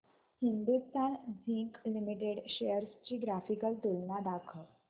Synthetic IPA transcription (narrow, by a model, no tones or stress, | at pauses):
hind̪ust̪anzʱiŋklimiʈeɽɕejəɾst͡ɕiːɡɾafikəlt̪ulnad̪akʰə